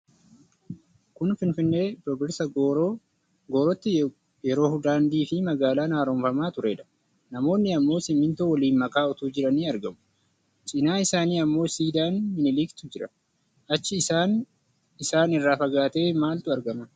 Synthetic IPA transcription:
kʊnfɪnfɪnːe̞ːbɔbɪɾsɐɡoɾoː | ɡoːɾɔt̪ːɪ | jɛɾo̞ːhʊd̪aːnd̪iːfɪmɐɡaːlaːnaːɾɔmfɐmaːt̪ʊɾe̞ːᶑɐ̥ | nɐmo̞ːnːɪɐmːo̞ːsɪmːɪnt̪uwɐliːnmɐkaːɔt̪uːd͡ʒɪɾɐniːɐɾɡɐmʊ̥ | t͡ʃʼɪnaːɪsaːniːɐmːo̞ːsiːd̪aːnːɪnɪliːkt̪ʊd͡ʒɪɾɐ | ʔɐt͡ʃːɪaːn | ɪsaːnɪrːaːfɐɡaːt̪e̞ːmaːlt̪ʊɐɾɡɐmɐ

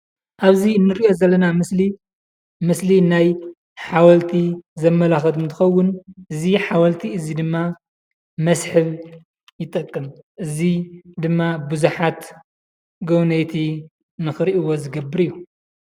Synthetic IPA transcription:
ʔaβziɨnːɨɾiʔo̞zɐlːɐnamɨsli | mɨslinaj | ħawɐlt̪ʰizɐmːɐlaxɐd̪ɨnt̪ʰɨxɐwːʊnʔɨziħawɐlt̪ʰiɨzid̪ɨmːa | mɐsħɨβ | jɪt̪ʼɐkʼːɨmʔɨzid̪ɨmːabɨzuħat̪ | ɡownɐjt̪ʰi | nɨxɨɾiʔuwo̞zɨɡɐbːɨɾɨjːu

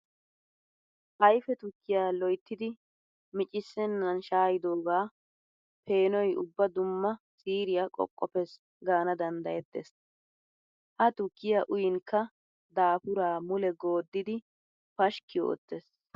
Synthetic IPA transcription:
ʔɐjfɛt̪ʊkːɪjaːlɔjt̪ːɪd̪ɪ | mɪt͡ʃʼɪsːɛnːɐnʃaːjɪd̪o̞ːɡaː | pe̞ːnɔjʔʊ̰bːɐd̪ʊmːɐsiːɾɪjakʼɔ̰kʼːɔpɛs | ɡaːnɐd̪ɐnd̪ɐjɛt̪ːḛs | ʔɐt̪ʊkːɪjaʔʊjɪŋkːɐ | d̪aːpʊɾaːmʊlɛɡo̞ːd̪ːɪd̪ɪ | pɐʃkːɪjo̰ːt̪ːes

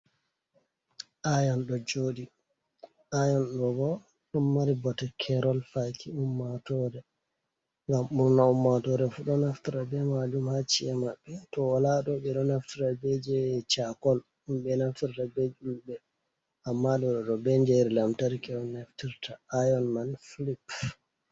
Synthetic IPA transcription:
ʔajɔnɗɔd͡ʒoːɗi | ʔajɔnɗɔbɔ | ɗɔmːaɾibɔtakʰɛɾɔlfakʰiumːatɔɾɛ | ŋɡamuɾnaumːatɔɾɛfuɗɔnaftiɾabɛmad͡ʒumhat͡ʃːiɛmaɓːɛtɔwalaɗɔɓɛɗɔnaftiɾabɛd͡ʒɛt͡ʃakɔl | umɓɛnaftiɾtabed͡ʒulbɛ | ʔamːaɗɔɗɔɗɔbɛɲd͡ʒɛɾilamtaɾikɛɾɔnaftiɾtaajɔnmanfilip

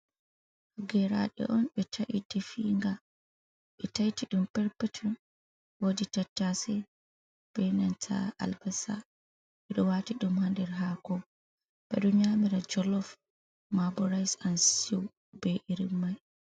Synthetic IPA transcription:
haɡɛɾa̰ɗɛ̰ʔɔnɓɛtʰaʔitɛfiŋɡa | ɓɛtajtiɗumpɛɾpɛtʰɔn | woditatːasɛ | b̥ɛnantʰa̰ʔa̰lbasa̰ | ɓɛɗɔwaːtiɗumhandɛɾɦaːkɔ | b̥ɛ̰ɗɔɲamiɾad͡ʒɔlɔf | mabɔɾajsansiw | bɛʔiɾimːaj

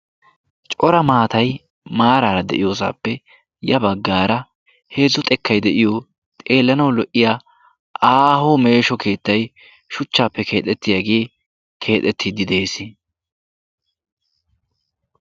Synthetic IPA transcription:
t͡ʃʼɔɾɐmaːt̪ɐj | maːɾaːɾɐd̪ɛ̰ʔɪjo̞ːs̬a̰ːpːɛ | jɐbɐɡːaːɾɐ | he̞ːzʊt̪ʼɛkʰːɐjd̪ɛʔɪjo | t̪ʼe̞ːlːɐnɐwlɔʔɪjaː | ʔaːhoːme̞ːʃɔkʰe̞ːt̪ːɐj | ʃʊt͡ʃːaːpːɛkʰe̞ːt̪ʼːɛt̪ːɪjaɡe̞ː | kʰe̞ːt̪ʼːɛt̪ʰːɪd̪ɪd̪e̞ːsɪ

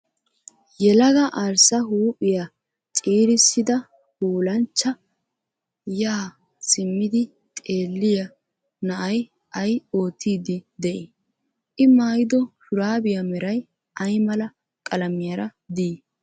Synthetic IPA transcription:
jɛlɐɡɐʔaɾsɐɦuːpʼːɪja | t͡sʼiːɾɪsːɪd̪ɐ | huːlɐnt͡ʃːɐ | jaː | sɪmːɪd̪ɪ | t̪ʼe̞ːlːɪjɐ | nɐʔɐj | ɐjo̞ːt̪iːd̪ɪd̪ɛʔɪ | ʔɪmaːjɪd̪ɔʃʊɾaːbɪjɐmɛɾɐj | ʔɐjmɐlɐ | kʼɐlɐmɪjɐɾɐd̪iː

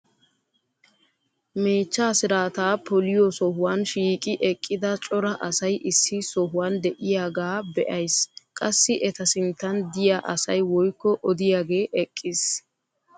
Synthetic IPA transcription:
me̞ːt͡ʃːaːsɪɾaːt̪aːpɔlɪjɔsɔhʊwanʃiːkʼɪʔɛkʼːɪd̪ɐt͡ʃʼɔɾɐʔɐsɐjʔɪsːɪsɔɦʊwand̪ɛʔɪjaːɡaːbɛʔɐjskʼɐsːɪʔɛt̪ɐsɪnt̪ːɐnd̪ɪjaːʔɐsɐjwɔjkːɔʔɔd̪ɪjaːɡe̞ːʔɛkʼːɪs

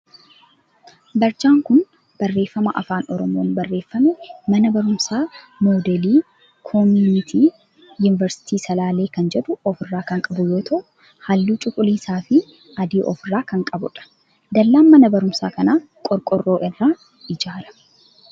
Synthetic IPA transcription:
bɐɾt͡ʃaːŋkʊn | b̥ɐrːe̞ːfːɐmɐʔɐ̰faːnɔɾɔmo̞ːnbɐrːe̞ːfːɐmɛmɐnɐbɐɾʊmsaː | mo̞ːd̪ɛliː | kʰɔmjuːnɪt̪ʰiː | jʊnɪvɐɾsɪ̥t̪iːsɐlaːle̞ːkɐnd͡ʒɛᶑʊɔfɪrːaːkɐŋkʼɐbʊjoːt̪ʰɐʔʊ | hɐlːuːt͡ʃʼʊkʼʊliːsaːfɪ | ɐd̪iːʔɔ̰fɪrːaːkɐŋkʼɐbʊᶑɐ̥ | d̪ɐlːaːmːɐnɐbɐɾʊmsaːkɐnaː | kʼɔɾkʼɔrːo̞ːʔɪrːaː | ɪd͡ʒaːlɐ̥

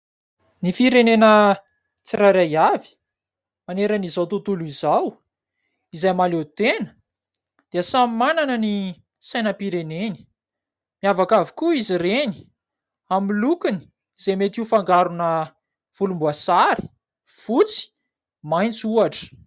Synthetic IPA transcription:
nifiɾenenə | t͡siɾaɾajavi̥ | maneɾənizawt̪ut̪uluizaw | izajmalet̪enə̥ | d̪̥eəsamimananəni | sajnəpiɾeneni̥ | miavakavikuizireni̥ | amilukuni̥ | z̥emet̪iufaŋɡaɾunə | v̥ulumbuasaɾi̥ | fut͡si̥ | majnt͡suaʈ͡ʂə̥

